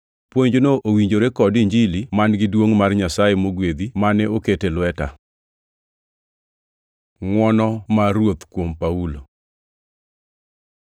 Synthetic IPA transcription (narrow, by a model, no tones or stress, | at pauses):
pwoɲd͡ʒonoʔowiɲd͡ʒoɾekɔdiɲd͡ʒilimanɡɪdwoŋmarɲasajemoɡwed̪imanɛoketelwɛta̰ | ŋwɔnɔmarwot̪kwompaulo